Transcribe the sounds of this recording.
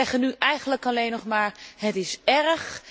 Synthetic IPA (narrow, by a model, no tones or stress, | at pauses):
ɛχənyʔɛjχənləkɑlejnːɔχmaːɹɦətɪsɛɹχ